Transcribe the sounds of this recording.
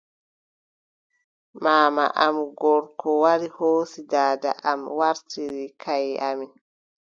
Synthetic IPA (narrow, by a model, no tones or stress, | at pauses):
maːma̰ʔamɡɔɾkɔwaɾihoːsidaːda̰ʔamwaɾtiɾikʰajamin